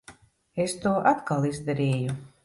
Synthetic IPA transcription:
est̪uːɔʔat̪kalˠizd̪aɾɛːju

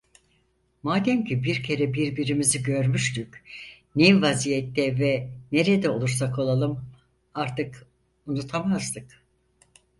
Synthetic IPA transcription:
maːd̪ɛmcibiɾcʰe̞ɾɛbiɾbiɾimiziɟø̞ɾmyʃt̪yc | nivazijɛt̪ːɛvɛne̞ɾed̪ɛo̞lˠuɾsakʰo̞lˠalˠɯm | aɾt̪ɯk | unut̪ʰamazd̪ɯk

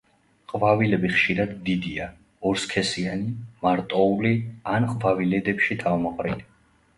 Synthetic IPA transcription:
qʼvavilɛbiχʃiɾad̪ːid̪ia | ɔɾskʰɛsianimaɾt̪ʼɔulianqʼvavilɛd̪ɛpʃit̪ʰavmɔqʼɾili

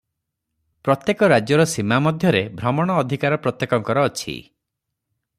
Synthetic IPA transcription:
pɾɔt̪jekɔɾad͡ʒjɔɾɔsimamɔd̪ʱjɔɾebʱɾɔmɔɽ̃ɔːd̪ʱikaɾɔpɾɔt̪jekɔŋkɔɾɔːt͡ʃʰḭ

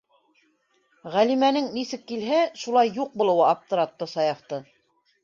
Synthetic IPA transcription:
ʁælimænɘŋnisɘkːilɦæʃulˠɑjːuq̚bŭlˠɤ̆wɤɑpt̪ɤ̆ɾɑt̪ːɤsɑjɑft̪ɤ

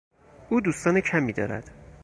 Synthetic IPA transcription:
uːd̪uːst̪ɒːnecʰæmiːd̪ɒ̰ːɾæ̰d̪̥

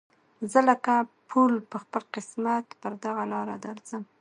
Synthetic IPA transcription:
zələkapʰulpəxpəlqɪsmat̪pəɾd̪aɣalɑɾad̪aɾzəm

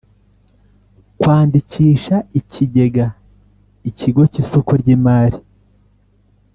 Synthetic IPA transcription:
kwaːndiciːʃaicʰiɟe̞ɡa | iciɡo̞cisokuɾɟiːmaːɾi

